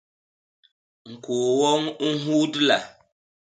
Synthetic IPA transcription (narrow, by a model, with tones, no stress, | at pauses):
ŋ̩˨ko˨wɔ˦ŋu˦ɦu˦dla̰˨